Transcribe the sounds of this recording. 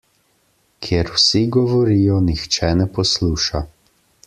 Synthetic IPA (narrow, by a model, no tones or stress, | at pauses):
kʰjeɾwsiɡɔʋɔɾiːjɔnixt͡ʃɛnɛpɔsluːʃa